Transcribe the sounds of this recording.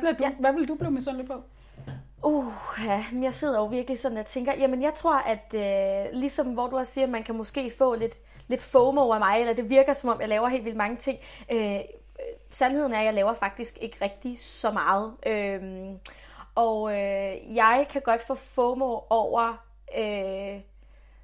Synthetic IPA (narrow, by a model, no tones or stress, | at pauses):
sn̩æd̥ʋæʋe̝ld̥ub̥liʊmesɒnle̝d̥̚pʰɒ | ohæjɑ̈ɪse̝ð̰ˠɐɒʊʋiɐɡ̥əlisɒ̽nnjɑt͡sʰeŋɡ̥ɐjæmənjɑ̈ɪt͡sʰʁo̝ɐ̰ʔæd̥ølisɒ̽mʋɒd̥uæsiːɐmænkʰæmɔ̽sɡ̥e̝̰ːfɔ̰̽ːle̝d̥ | le̝d̥fɔːmɔʊæmɑ̈ɪelɐd̥e̝ʋiɐɡ̥ɐsɒ̽mɒ̽m̰jɑ̈ɪlɛːʊɐɦe̝̰ːlʋild̥mɑ̈ŋət͡sʰe̝ŋ̰ | ø | sænhe̝ð̞̰ˠn̩æɐjɑ̈ɪlɛːʊɐfɑ̈ɡ̥̚d̥isɡ̥e̝ɡ̥əʁɛɡ̥̚d̥isɒ̽mɑ̈ːð̞̩ˠʔøm | ʔɒ̽øjɑ̈ɪkʰæɡ̥ɒ̽d̥fɔ̰̽ːfɔ̰ːmɔːɒʊ̰ɐ | ø